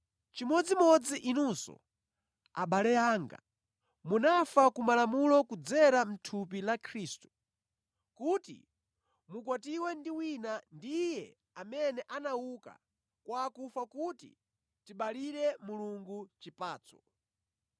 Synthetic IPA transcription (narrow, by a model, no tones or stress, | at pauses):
t͡ʃimɔd͡zimɔd͡ziʔinuːsɔ̰ | a̰ɓalɛjaːŋɡa̰ | munafakumalamulɔkud͡zɛɾam̩tʰup̬ilakʰɾiːstu̥ | kutḭ | mukwatiwɛndiwinandijɛ | amɛnɛʔanauka̰ | kwakufakutḭ | tiɓaliɾɛmuluŋɡut͡ʃipaːt͡sɔ̥